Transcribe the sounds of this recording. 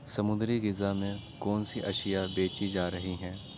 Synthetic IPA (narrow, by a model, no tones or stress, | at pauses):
sɐmʊ̃nd̪ɾiɡɪzamẽkɔːnsiʔɐʃijabeːt͡ʃid͡ʒaːɾɐɦiɦɛ̃ː